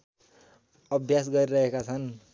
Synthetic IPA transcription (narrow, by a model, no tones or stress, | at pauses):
ʌbʱjasɡʌɾiɾʌɦekat͡sʰʌn